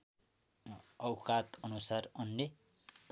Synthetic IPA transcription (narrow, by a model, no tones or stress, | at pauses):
ʌwkat̪ʌnusarʌnːe